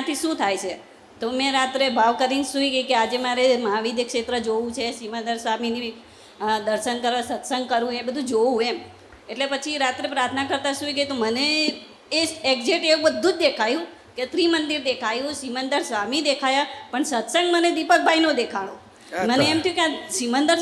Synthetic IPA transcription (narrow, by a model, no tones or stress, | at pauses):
ãt̪ʰiʃũt̪ʰajt͡ʃʰe | t̪omɛ̃ɾat̪ɾebʱaʋkəɾinsuiɡəjkead͡ʒemaɾemãʋid̪əkʃet̪ɾəd͡ʒoʋũt͡ʃʰesimənd̪əɾsʋamini | d̪əɾʃənkəɾʋasət̪səŋɡ̚kəɾũebəd̪ʱũd͡ʒoʋũem | eʈlepət͡ʃʰiɾat̪ɾepɾaɾt̪ʰnakəɾt̪asuiɡəit̪oməne | eeɡd͡ʒeʈeũbəd̪ʱːũd͡ʒd̪ekʰajũ | ket̪ɾimənd̪iɾd̪ekʰajũsimənd̪əɾsʋamid̪ekʰajapəɳsət̪səŋɡməned̪ipək̚bʱainod̪ekʰaɽ̃o | məneemt̪ʰəjũkeaʃimənd̪əɾ